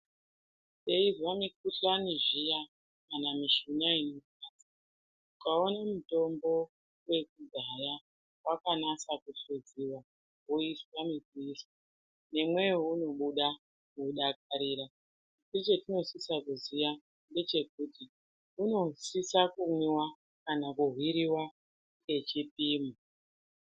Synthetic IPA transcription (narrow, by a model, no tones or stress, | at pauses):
se̞izwamik̚uɬaniʐija | kanamiʃunainokaːsa | ukaonamuto̞mbo̞ | we̞kud͡zʱaja | wakanasakuɬed͡ziwa | ɦuiswamikuiswa | ne̞mwe̞uno̞ɓuɗa | kuɗak̚aɾiːɾa | tet͡ʃetino̞sisakuzija | nde̞t͡ʃe̞kuti | uno̞sisakumiwa | kanakuɦwiɾiwa | ke̞t͡ʃipiːma